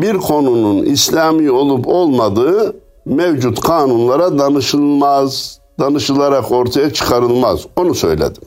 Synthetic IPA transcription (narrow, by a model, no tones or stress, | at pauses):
biɾkʰo̞nununḭslʲaːmio̞lˠupʰo̞lˠmad̪ɯɯ | mevd͡ʒut̪kʰaːnunlˠaɾad̪anɯʃɯlˠmaz | d̪anɯʃɯlˠaɾako̞ɾt̪ʰajat͡ʃʰɯ̥kʰaɾɯlˠma̰zo̞nusø̞̰jlʲḛd̪im